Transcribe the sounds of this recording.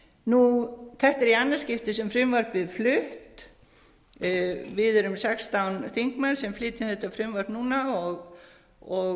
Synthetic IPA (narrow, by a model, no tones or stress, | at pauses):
nuθɛht̪ɛɾianːḁscɪft̪ɪsɛmfɾɪmvaɾpvɪðflʏht̪ | vɪðʏɾʏmsɛkst̪awnθiŋkmansɛmflɪːt̪ɪθɛht̪afɾɪmvaɾnuːnaɔɣ | ɔ